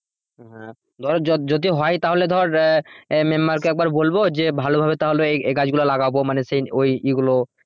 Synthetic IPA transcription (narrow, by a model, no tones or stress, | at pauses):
ɦɦɛ̃ | d̪ʱɔɾd͡ʑɔd͡ʑod̪iɦɔjt̪aɦoled̪ʱɔɾ | memːaɾkoɛk̚baɾbolbod͡ʑebʱalobʱabet̪aɦoleeeɡad͡ʑɡulalaɡabomanesejojʔiɡulo